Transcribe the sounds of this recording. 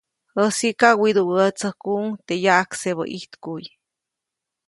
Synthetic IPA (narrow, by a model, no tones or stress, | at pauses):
əsikawid̪uwət͡səhkuŋt̪ejaʔakseβə̰ʔiht̪kuj